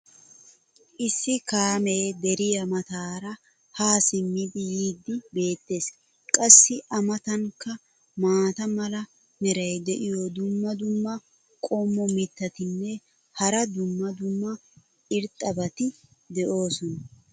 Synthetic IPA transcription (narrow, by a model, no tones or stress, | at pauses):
ʔɪsːɪkaːmeːd̪ɛɾɪjɐmɐt̪aːɾɐ | haːsɪmːɪd̪ɪjiːd̪ːɪbe̞ːt̪ːe̞ːs | kʼɐsːɪʔɐmɐt̪ɐŋkːɐ | maːt̪ɐmɐlɐ | mɛɾɐjd̪ɛʔɪjɔd̪ʊmːɐd̪ʊmːɐ | kʼɔmːɔmɪt̪ːɐt̪ɪnːɛ | hɐɾɐd̪ʊmːɐd̪ʊmːɐ | ɪɾt̪ʼːɐbɐt̪ɪ | d̪ɛʔo̞ːsɔnɐ